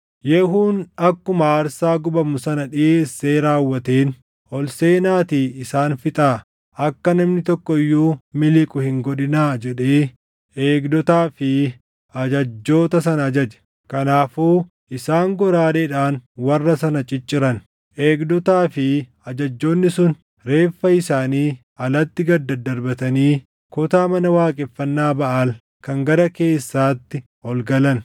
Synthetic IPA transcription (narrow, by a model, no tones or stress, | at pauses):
jɛɦuːnɐkːʊmɐaːɾsaːɡʊbɐmʊsɐnɐᶑɪeːsːe̞ːɾaːwːɐt̪eːn | ʔɔlse̞ːnaːt̪iɪsaːnfɪt̪ʼaː | ɐkːɐnɐmnɪt̪ɔkːɔɪjːuːmɪlɪkʼʊhɪŋɡɔᶑɪnaːd͡ʒɛᶑeː | eːɡd̪ɔt̪aːfɪ | ɐd͡ʒɐd͡ʒːo̞ːt̪ɐs̬ɐnɐːd͡ʒɐd͡ʒɛ̥ | kɐnaːfuː | ɪsaːŋɡɔɾaːleːᶑaːnwɐrːɐsɐnɐt͡ʃʼɪt͡ʃʼːɪɾɐn | ʔe̞ːɡd̪ɔt̪aːfɪ | ɐd͡ʒɐd͡ʒːo̞ːnːɪsʊn | ɾe̞ːfːɐɪsaːniː | ɐlɐt̪ːɪɡɐd̪ːɐd̪ɐɾbɐt̪ɐniː | kʊt̪aːmɐnɐwaːkʼɪfːɐnːaːbɐʔal | kɐŋɡɐɾɐke̞ːsːaːt̪ːɪ | hɔlɡɐlɐn